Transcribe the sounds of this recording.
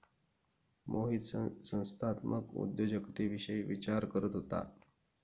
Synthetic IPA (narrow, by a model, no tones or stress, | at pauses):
mʔoɦit̪sə̃w̃st̪ʰat̪mə̰kṵd̪jod͡ʑəkt̪iʋiɕəiʋit͡ɕaɾkəɾət̪ɦot̪a̰